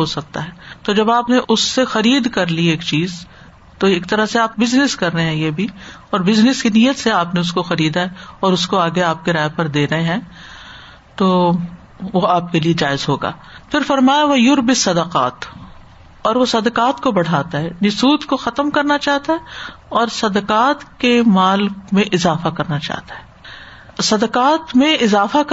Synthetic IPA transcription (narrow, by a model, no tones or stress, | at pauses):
ɦosɐk̚t̪a̰ɦɛːt̪od͡ʒɐbaːpneʔʊsːexɐɾiːd̪kɐɾlieːkt͡ʃiːz | t̪oeːkt̪ɐɾaseaːp̚bɪznɪskɐɾːɐɦeɦɛ̃jebʱiɔːɾbɪznɪskinijət̪seaːpneʊskoxɐɾiːd̪aɦɛɔːɾʊskoaːɡeaːp̚keɾaːɦepɐɾd̪eːɾɐɦẽɦɛ̃ː | t̪oː | ʋoaːp̚kelied͡ʒaːɪzɦoːɡa̰ːpʰɪɾfɐɾmaːjaʋɐjʊɾbɪsːɐd̪əqa̰ːt̪ | ɔːɾʋosɐd̪əqaːt̪kobɐɽ̤aːt̪aɦɛːnɪsuːd̪koxɐt̪əmkɐɾnat͡ʃaːɦt̪aɦɛ | ɔːɾsɐd̪əqaːt̪kemaːlmẽʔɪzaːfakɐɾnat͡ʃa̰ːt̪ḁɦɛː | sɐd̪əqaːt̪mẽɪzaːfak